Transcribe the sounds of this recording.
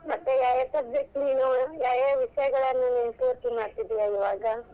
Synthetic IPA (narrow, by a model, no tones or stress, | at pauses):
mɐt̪ːejaːjasɐb̚d͡ʒek̚ʈniːnujaːjaːʋiʂɐjɐɡɐɭɐnːuninpoːɾt̪imaːɽt̪id̪ijaiʋaːɡɐ